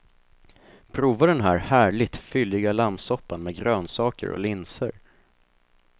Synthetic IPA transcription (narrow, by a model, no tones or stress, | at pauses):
pʰɾuːvad̪ɛnɦæːɾhæːɭɪɡ̚t̪fʏlːɪɡalamsɔpːanmɛɡɾøːnsɑːkə̰ɾɔ̰lɪnsə̰ɾ